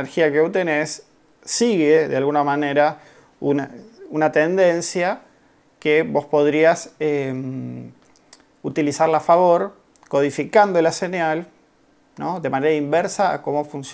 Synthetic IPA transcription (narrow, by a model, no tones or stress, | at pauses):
eɾxiakeot̪enesː | iɣeðealɣunamane̞ɾa | unaunat̪e̞nd̪e̞nsja | keβo̞spo̞ð̞ɾiasem | ut̪ilisaɾlafaβo̞ɾ | ko̞ð̞ifikand̪olasenjal | noðe̞maneɾaimbeɾsa̰ːko̞mo̞funs